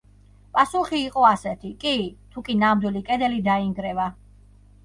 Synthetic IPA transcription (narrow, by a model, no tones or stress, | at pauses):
pʼasuχiːqʼɔasɛt̪ʰikʼit̪ʰukʼinamd̪wilikʼɛd̪ɛlid̪aiŋɡɾɛva